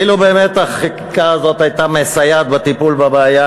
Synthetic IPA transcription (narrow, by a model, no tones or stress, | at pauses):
ilubeːmet̪aχi | kaːzo̞t̪ajt̪amesajat̪̚bet̪ipulbabeaja